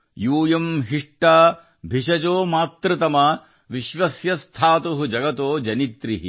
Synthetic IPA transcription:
juːjɐmɦiʂʈaː | bʱiʃɐd͡ʒoːmaːt̪ɾɨt̪ɐmɐ | ʋiʃʋɐsjɐst̪ʰaːt̪uɦud͡ʒɐɡɐt̪oːd͡ʒɐnit̪ɾiɦḭ

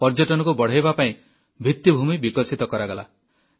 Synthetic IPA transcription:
pɔɾd͡ʒɔʈɔnɔkubɔɽ̤ejbapaĩ | bʱit̪ːibʱumibikɔsit̪ɔkɔɾaɡɔla̰

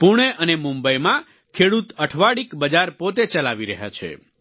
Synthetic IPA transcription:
puɽ̃eʔənemũmbəjmã | kʰeɽut̪əʈʰʋaɽikbəd͡ʒaɾpot̪et͡ʃəlaʋiɾəɦja̰t͡ʃʰḛ

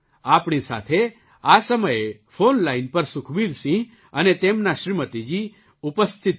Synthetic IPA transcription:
apɳ̃isa̰t̪ʰe | asəməjefonlainpəɾsʊkʰbiɾsĩ | ənet̪emnaʃɾimət̪id͡ʒi | upəst̪ʰit̪

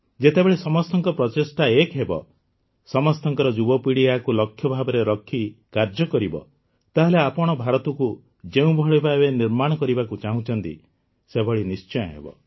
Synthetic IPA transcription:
d͡ʒet̪ebeɭesɔmɔst̪ʰɔŋkɔpɾɔtesʈaekɦebɔ̰ | sɔmɔst̪ʰɔŋkɔɾɔd͡ʒubɔpiɽiakulɔkʰːjɔbʱabɔɾeɾɔkʰːikaɾd͡ʒɔkɔɾibɔ̰ | t̪aɦeleapɔɽ̃ɔbʱaɾɔt̪ɔku | d͡ʒeũbʱɔɭibʱabeniɾmaɽ̃ɔkɔɾibakut͡ʃaɦũt͡ʃʰɔnt̪ḭ | sebʱɔɭinist͡ʃɔj̃ɔɦḛbɔ̰

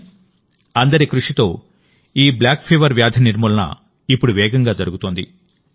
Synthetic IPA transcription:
ɐnd̪ɐɾikɾuʂit̪o̞ː | iːblaːkpʰeːʋɐɾʋjaːd̪ʱɐniɾmuːlɐnɐ̰ | ipːuɽuʋɛːɡɐŋɡaːd͡ʒɐɾuɡut̪oːnd̪ḭ

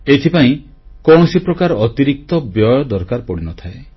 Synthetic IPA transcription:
et̪ʰipaĩ | kɔɽ̃ɔsipɾɔkaɾɔt̪iɾik̚t̪ɔbjɔjɔd̪ɔɾkaɾpɔɽinɔt̪ʰae

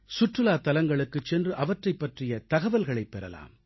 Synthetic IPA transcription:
sʊʈrɯlaːt̪ɐlɐŋɡɐɭɯkːɯt͡ʃːɛndrɯʔɐʋɐʈrɐɪpːɐʈrɪjɐt̪ɐɣɐʋɐlɣɐɭɐɪpːɛɾɐ̰la̰ːm

